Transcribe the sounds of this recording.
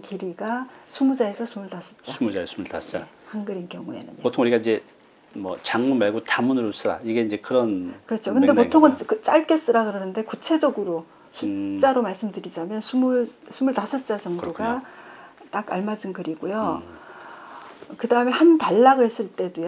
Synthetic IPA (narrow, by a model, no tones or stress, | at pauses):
kiɾiɡasʰumud͡ʑae̞sʰʌsʰumuɭtas͈ʰʌt̚t͡ɕ͈asʰumud͡ʑaesumuɭta̰sʌt͡ɕ͈ahanɡɯɾinkjʌŋuḛnɯ̰npotʰoŋuɾikaind͡ʑe̞ | mʌ̰t͡ɕaŋmunmaɭɡutamunɯɾos͈ɯɾa̰iɡe̞ind͡ʑe̞kɯɾʌnkɯɾʌt͡ɕʰokɯnde̞potʰoŋʌnkɯt͡ɕ͈aɭk͈e̞s͈ɯɾaɡɯɾʌnɯnde̞kut͡ɕʰe̞d͡ʑʌɡɯɾo | sʰut͡ɕ͈aɾomaɭs͈ɯmdɯɾid͡ʑamjʌnsʰumusʰumuɭtas͈ʰʌt̚t͡ɕ͈at͡ɕʌŋdoɡa | t͈akaɭmad͡ʑɯnkɯɾiɡojo | kɯdaɯme̞hantaɭːaɡɯɭhes͈ɯɭt͈e̞doj